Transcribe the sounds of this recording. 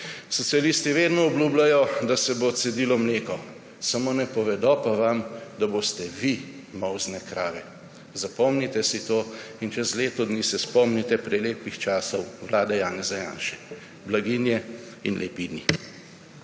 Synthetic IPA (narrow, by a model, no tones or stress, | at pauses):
sɔt̪sijalist̪iʋeːd̪nɔɔblʲuːblʲajɔd̪asɛbot̪sɛd̪iːlɔmleːkɔ | samoːnɛpɔʋɛd̪ɔpaʋamd̪aboːst̪ɛʋi | mɔwznɛkɾaːʋɛ | zapɔmnit̪ɛsit̪oː | int͡ʃɛzleːt̪ɔd̪niːsɛspɔmnit̪ɛpɾɛleːpixt͡ʃaːsɔwʋlaːd̪ajaːnɛzaja̰ːnʃɛ̥ | blaɡiːnjɛ | inlʔɛ̰pid̪ni